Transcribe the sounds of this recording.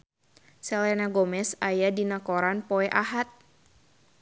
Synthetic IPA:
sɛlɛnaɡɔmɛsajadinakɔɾanpɔɛʔaɦat̪̚

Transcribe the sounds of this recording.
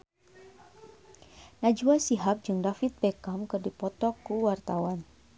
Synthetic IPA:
nad͡ʒuasiɦap̚d͡ʒɨŋdafit̪̚bekamkɨrdipɔt̪ɔkːuwart̪awan

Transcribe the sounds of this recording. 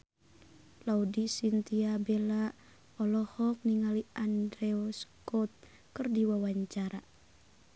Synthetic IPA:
laudisint̪iabela | ɔlɔhɔk̚niŋaliandɾɛɔskɔt̪̚ | kɨrdiwawaɲt͡ʃaɾa

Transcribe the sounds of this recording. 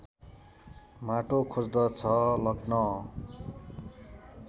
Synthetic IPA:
maʈokʰod͡zd̪ʌt͡sʰʌlʌɡnʌ

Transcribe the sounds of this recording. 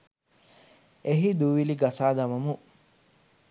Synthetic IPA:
eɦid̪uʋiliɡɐsaːd̪ɐmɐmu

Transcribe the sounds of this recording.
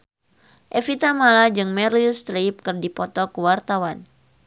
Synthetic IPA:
ʔefit̪amalad͡ʒɨŋmɛrlist̪ɾip̚kɨrdipɔt̪ɔkəwart̪awan

